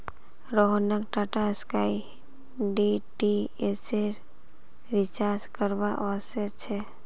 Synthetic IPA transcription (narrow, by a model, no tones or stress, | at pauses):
ɾoɦnəkʈaʈaskai | ɖiʈieseɾ | ʋɪt͡ʃaɾskəɾbaʔset͡ʃʰɛ